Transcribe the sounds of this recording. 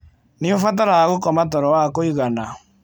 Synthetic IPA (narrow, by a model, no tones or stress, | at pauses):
neofat̬aɾajaɣokɔmatɔɾɔwakoiɣana